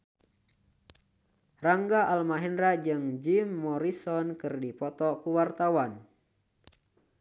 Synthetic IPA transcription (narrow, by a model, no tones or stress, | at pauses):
raŋɡaʔalmaɦɛnɾad͡ʒɨŋd͡ʒimːɔɾisɔnkɨrdipɔt̪ɔkuwart̪awan